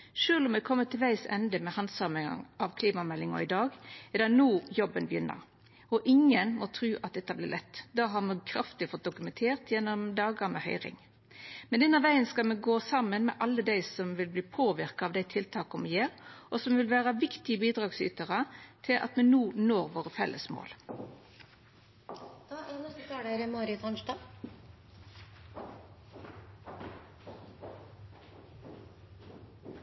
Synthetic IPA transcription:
ʃøːlɔmɛkʰɔmːət̪ʰɪlʋæɪsɛ̰nd̪əmɛhɑnsɑməɑ̰ŋɑʋkʰliːmɑmɛlːɪŋɔ̰ɪd̪ɑːɡɛd̪ɑnuːjɔbənbjʏnːə̰ɾ | ɔʔɪŋːənmɔt̪ʰɾʉːʔɑt̪̚d̪ɛt̪ːɑblɪ̰ːʁlɛt̪ːd̪ɑːɦɑʁmɛkʰɾɑft̪ɪfɔt̪̚d̪ʊkʉmɛnt̪ʰeːʁt̪jɛnːɔmd̪ɑːɡəɾmɛ̰hœ̰ʏɾɪ̰ŋ | mɛnʉnːɑʋæɪənskɑlmɛɡoːsɑmənmɛ̰ʔɑlːəd̪æɪsɔmʋɪlbliːpʰoːʋɪɾkɑɑʋd̪æɪt̪ʰɪlt̪ʰɑːkʊmɛjeːɾʔɔsɔmʋɪlʋæːɾəʋɪkt̪ɪəbiːd̪ʁɑːɡsy̰ːt̪əʁɑt̪ʰɪlʔɑ̰t̪mɛnuːnoːɾʋoːʁəfɛ̰lːəsmo̰ːl | d̪̥ɑæɾnɛst̪ət̪ʰɑːɽeɾəmoːɾɪt̪ʰɑnʃʈɑː

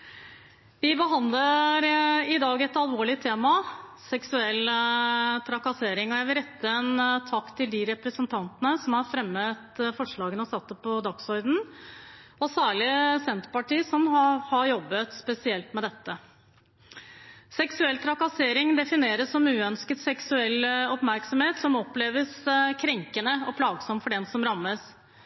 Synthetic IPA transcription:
ʋɪbəɦɑnd̪ləɾɪd̪ɑːɡɛt̪ɑlʋoːɭɪt̪ʰeːmɑsɛksʉɛl | t̪ʰɾɑkɑseːɾɪŋɔjæɪʋɪlɾɛt̪ːəɛnt̪ʰɑkt̪ʰɪld̪ɪɾɛpɾəsənt̪ʰɑnt̪ənəsɔmæɾfɾɛmːət̪fɔʂɭɑːɡənɔsɑt̪ːəpʰɔd̪ɑksɔɾd̪n̩ | ɔsæːɭɪsɛnt̪pɑʈiːsɔmɑhɑɾjɔbːət̪spɛsɪɛlt̪mɛd̪ɛt̪ːə | sɛksʉɛlt̪ʰɾɑkɑseːɾɪŋd̪ɛfɪneːɾəsːɔmʉːœnskət̪sɛksʉɛlːɔpmæɾksɔmheːt̪sɔmɔpleːʋəskʰɾɛŋkənəɔ̰pʰlɑːɡsɔmfɔɖɛnsɔmɾɑmːəs

